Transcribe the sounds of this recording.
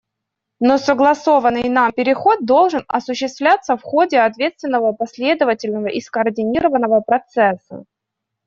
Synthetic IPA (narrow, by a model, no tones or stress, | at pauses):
nosəɡlˠɐso̞vənːɨjnampʲɪɾʲɪxo̞t̪̚d̪o̞lˠʐɨnɐsʊɕːɪst̪vlʲat̪sːəfxo̞dʲɪɐt̪vʲe̞t̪st̪vʲɪnːəvəpɐsʲlʲe̞d̪əvətʲɪlʲnəvəʔɪskəːrdʲɪnʲiɾəvənːəvəpɾɐt̪sɛsːə̰